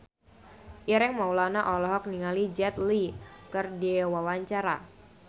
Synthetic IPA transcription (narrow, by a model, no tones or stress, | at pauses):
ʔiɾɛŋmaulanaʔɔlɔɦɔk̚niŋalid͡ʒɛt̪likərdiwawaɲt͡ʃaɾa